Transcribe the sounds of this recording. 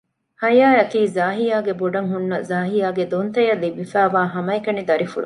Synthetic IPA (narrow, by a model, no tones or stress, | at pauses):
hɐjaːɐkiːzaːɦijaːɡeboɖɐŋɦunːɐzaːɦijaːɡed̪ont̪ɐjɐlːibifæːʋaːɦɐmɐekɐnid̪ɐɾifṵɽu